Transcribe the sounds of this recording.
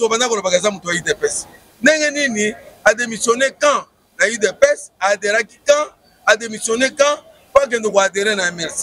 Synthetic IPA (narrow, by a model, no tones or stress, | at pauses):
tobanakɔɾɛbaɡazamutuaidɛpɛs | nɛŋɛniniademisɔnɛkã | naidɛpɛsadɛɾakikã | ademisjɔnɛkã | kaɡɛ̃ndokadɛɾɛnaɛmɛsi